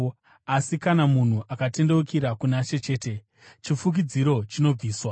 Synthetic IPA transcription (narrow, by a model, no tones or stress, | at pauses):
asikanamun̤uʔakate̞nde̞wukiɾakunat͡ʃe̞t͡ʃe̞ːte̞ | t͡ʃifuk̬id͡ziɾo̞t͡ʃino̞b͡viːswa